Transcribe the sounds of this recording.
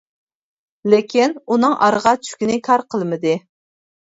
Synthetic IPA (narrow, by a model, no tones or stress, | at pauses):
lɪkʲinunɨŋʔɑ̰ɾəʁɑt͡ʃʰy̥kʲinɪkʰɑɾqʰəlˠmɨd̪ɨ